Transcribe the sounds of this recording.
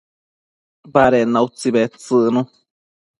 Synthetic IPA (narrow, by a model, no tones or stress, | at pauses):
baɾenːaut͡siβet͡sɨʔnũ